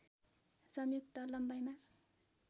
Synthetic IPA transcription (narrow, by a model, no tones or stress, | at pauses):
sʌmjuk̚t̪ʌlʌmbajma